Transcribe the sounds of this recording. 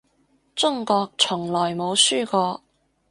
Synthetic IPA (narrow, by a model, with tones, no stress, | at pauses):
t͡sʊ˥ŋkɔː˧k̚t͡sʰʊ˨˩ŋlɔː˨˩jmo˨˧wsyː˥kɔː˧